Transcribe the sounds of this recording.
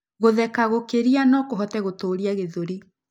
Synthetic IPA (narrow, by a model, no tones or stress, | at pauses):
ɣoðɛkaɣokeɾianɔkoɦɔtɛɣotoːɾiaɣeðoɾi